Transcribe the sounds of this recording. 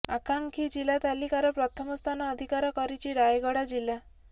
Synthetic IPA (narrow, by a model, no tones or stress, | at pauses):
akaŋkʰid͡ʒilat̪alikaɾɔpɾɔt̪ʰɔmɔst̪ʰanɔːd̪ʱikaɾɔkɔɾit͡ʃʰiɾajɡɔɽad͡ʒilːa